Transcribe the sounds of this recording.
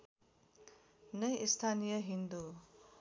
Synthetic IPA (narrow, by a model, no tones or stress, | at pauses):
nʌjʔist̪ʰanijʌɦind̪u